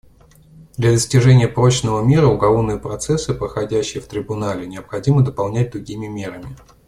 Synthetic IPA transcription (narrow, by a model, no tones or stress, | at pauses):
d̪lʲɐd̪əsʲtʲɪʐɛnʲɪjəpɾo̞t͡ɕnəvəmʲe̞ɾəʊɡɐlˠovnɨjəpɾɐt̪sɛsːɨpɾəxɐdʲæɕːɪjəft̪ɾʲɪbʊnalʲɪnʲɪəpxɐdʲiməd̪əpɐlˠnʲæt̚ʲd̪ɾʊɡʲimʲɪmʲe̞ɾəmʲɪ